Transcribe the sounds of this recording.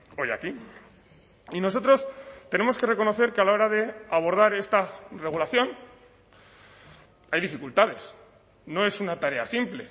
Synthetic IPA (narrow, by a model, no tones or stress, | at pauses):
o̞ja̰ki | ino̞so̞t̪ɾo̞st̪e̞ne̞mo̞ske̞re̞ko̞no̞θe̞ɾkealao̞ɾaðe̞aβ̞o̞ɾð̞aɾe̞st̪are̞ɣ̞ulaθjo̞n | ajðifikult̪aðe̞s | no̞e̞sunat̪aɾe̞asimple̞